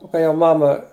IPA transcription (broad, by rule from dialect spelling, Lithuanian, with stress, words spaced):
oː kɐɪ jɛʊ ˈmɑːmɐ